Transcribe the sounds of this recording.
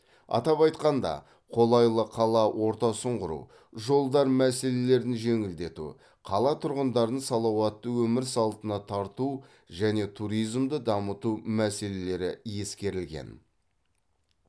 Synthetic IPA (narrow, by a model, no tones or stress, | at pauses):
ɑ̰t̪ɑpɑjt̪qɑnd̪ɑ̰ | qʰo̞lˠɑjlˠəqʰɑlˠɑwʔo̞ɾt̪ɑsəɴʁʊɾṵ | ʒo̞lˠd̪ɑɾmæse̞le̞le̞ɾd̪ɪnʒe̞ŋɪld̪e̞t̪ṵ | qʰɑlˠɑt̪ʰʊɾʁənd̪ɑɾd̪ənsɑlˠɑwɑt̪ːəwɵmɪɾsɑlˠt̪ənɑt̪ʰɑɾt̪u | ʒæne̞t̪ʰuɾijzmd̪əd̪ɑmət̪umæse̞le̞le̞ɾɪje̞skʲe̞ɾɪlɡʲḛn